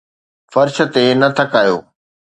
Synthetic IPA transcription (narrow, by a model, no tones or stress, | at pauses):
fɐɾʃə̆t̪enɐt̪ʰɐkaːjo̰ː